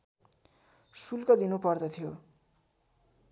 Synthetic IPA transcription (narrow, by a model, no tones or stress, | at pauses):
sulkʌd̪inupʌrd̪ʌt̪ʰijo